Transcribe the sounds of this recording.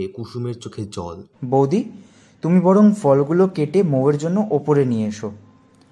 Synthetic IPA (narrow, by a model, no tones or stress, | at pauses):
ekuʃumeɾt͡ɕokʰeɾd͡ʑɔ̰lbowd̪i | t̪umibɔɽoŋfɔlɡulokeʈemoweɾd͡ʑonːoʔopoɾenieeʃo